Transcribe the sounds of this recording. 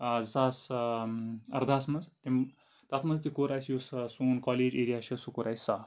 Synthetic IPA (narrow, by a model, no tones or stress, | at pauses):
t͡sas | ɐ̰ɾd̪ʱaːsmɐd͡zt̪im | t̪at̪ʰmɐd͡zt̪ikoɾajsjussuːnkɔleːd͡ʑeːɾijaɕɐsukoɾajsa